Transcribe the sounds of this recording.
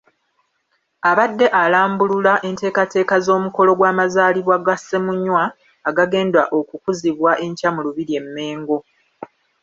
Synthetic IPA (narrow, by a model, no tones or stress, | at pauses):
aβadːe̞ʔalaːmbululaʔe̞nte̞ːkate̞ːkazo̞ːmuko̞lo̞ɡwaːmazaːliβwaɡasːe̞muɲːwaː | ɡaɡe̞ːndwaʔo̞kukuziβwaʔe̞ɲcamuluβiɾie̞mːe̞ːŋɡo̞